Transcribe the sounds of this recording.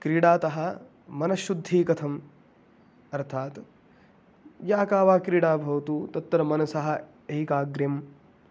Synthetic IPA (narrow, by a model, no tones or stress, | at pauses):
kɾiːɽaːt̪ɐɦɐ̆ | mɐnɐʃːud̪ʱːiːkɐt̪ʰɐm | ɐɾt̪ʰaːt̪ | jaːkaːʋaːkɾiːɽaːbʱɐʋɐt̪uːt̪ɐt̪ːɐɾɐmɐnɐsɐɦɐ̆ | eikaːɡɾjɐm